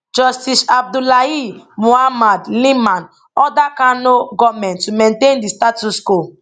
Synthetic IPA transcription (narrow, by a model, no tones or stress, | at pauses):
d͡ʒɔstisab̚dulaimohamadlĩmãn | ɔdakãnoɡɔmɛ̃ntːumɛ̃ntẽndistatusko